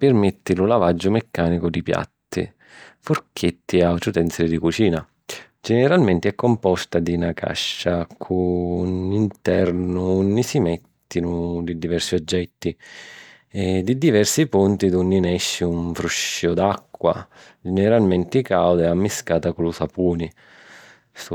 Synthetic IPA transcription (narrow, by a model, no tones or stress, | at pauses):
pɪrmet̪ːilulavad͡ʒːʊmekːaːnikʊd̪ipja̰t̪ːḭ | fʊrkʰet̪ːiawt̪ɾut̪ɛnt̪silid̪ikut͡ʃiːna | d͡ʒɛnɛɾalment̪iɛkːɔmpɔst̪ad̪inakʰa̰ʃːakʰuːnint̪ɛɾnʊnːisimɛt̪ːinʊd̪id̪ivɛrsiɔd͡ʒːɛt̪ːi | ɛd̪id̪ivɛrsipunt̪id̪unːinɛʃːiuɱfɾuʃiʊd̪akːwa̰ | d͡ʒɛnɛɾalment̪ikawd̪ɛamːiskaːt̪aklusapuːni | s